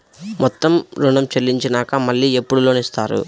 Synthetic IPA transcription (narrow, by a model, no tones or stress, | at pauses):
mɔt̪ːɐmɾuɳɐmt͡ʃɐlːiɲt͡ʃinaːkɐmɐɭːiːepːuɽulo̞ːnist̪aːɾṵ